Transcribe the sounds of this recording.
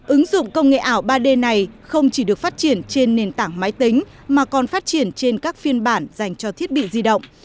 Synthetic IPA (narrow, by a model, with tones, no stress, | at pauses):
ʔɨ˨˦ŋzʊ̰˧˨ŋ͡mkə˧wŋ͡mŋḛ˧˨ʔaː˧˩wɓaː˧ɗe˧na˨˩jxə˧wŋ͡mt͡ɕi˧˩ɗɨ˨˩ək̚faː˦˥t̚t͡ɕi˧˩ənt͡ɕe˧nːe˨˩nt̪aː˧˩ŋma˨˦jt̪ï˨˦ŋ̟ | maː˨˩kɔ˨˩nfaː˦˥t̚t͡ɕi˧˩ənt͡ɕe˧nkaː˦˥k̚fi˧ənɓaː˧˩nz̥a˨˩jŋ̟t͡ɕɔ˧t̪ʰi˦˥ət̚ɓḭ˧˨zi˧ɗə̰˧˨wŋ͡m